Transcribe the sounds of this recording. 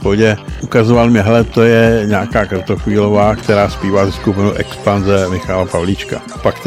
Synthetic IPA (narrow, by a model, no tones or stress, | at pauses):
poɟɛʔukazovalmɪɦɛlɛt̪ojɛɲaːkaːkr̩t̪oxʋiːlovaːkt̪ɛɾaːspiːvazɛskupɪnowʔɛkspanzɛmɪxalapavlit͡ʃka̰ | pakt̪